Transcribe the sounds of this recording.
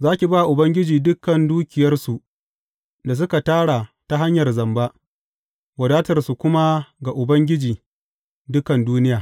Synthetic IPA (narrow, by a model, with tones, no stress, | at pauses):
zaː˦kʲi˨baː˦˨ʔʊ˨bɐ˦ŋɡʲɪ˦d͡ʒiː˨dʊ˦kːɐ˨nduː˦kʲɪ˨jɐ˦rsu˨ʔ | da˨s̬ʊ˦ka˨taː˦ɽa˨ta˦ɦa˦ɲjɐ˨rzɐ˨mba˦ʔ | wɐ˨daː˦tɐ˨rsu˨kʷʊ˦ma˦ɡa˨ʔʊ˨bɐ˦ŋɡʲɪ˦d͡ʒiː˨ | dʊ˦kɐ˨nduː˦nɪ˦jaː˨